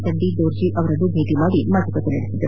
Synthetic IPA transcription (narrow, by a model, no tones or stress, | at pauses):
t̪ɐnd̪id̪oːɾd͡ʒiʔɐʋɐɾɐnːubʱeːt̪imaːɽimat̪ɐkɐt̪ːenɐɽisid̪ɐɾ